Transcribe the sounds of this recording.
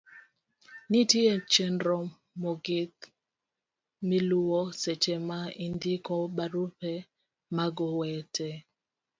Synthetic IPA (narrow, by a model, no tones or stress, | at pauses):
nitjet͡ʃendɾɔ | mɔɡɪt | miluwɔset͡ʃɛmaindikɔbaɾupɛ | maɡɔwɛtʰɛ